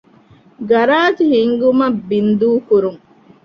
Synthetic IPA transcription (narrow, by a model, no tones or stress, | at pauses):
ɡɐɾaːt̪ihiŋɡumɐbːind̪uːkuɾuŋ